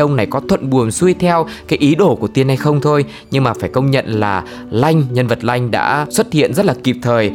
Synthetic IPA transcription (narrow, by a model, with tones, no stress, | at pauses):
ə˧wŋ͡mna˨˩jkɔ˨˦t̪ʰwə̰˧˨nɓu˨˩ənsu˧əjt̪ʰɛ˧wkaː˨˦jʔi˨˦ɗo˧˩ku˧˩ət̪i˧ənha˧jxə˧wŋ͡mt̪ʰo˧j | ɲɨ˧ŋmaː˨˩faː˧˩jkə˧wŋ͡mɲə̰˧˨nlaː˨˩ | la˧jŋ̟ɲə˧nvə˨˩t̚la˧jŋ̟ɗa̰ː˧˥swə˦˥t̚hḭ˧˨ənzə˦˥t̚laː˨˩ki˨˩p̚t̪ʰəː˨˩j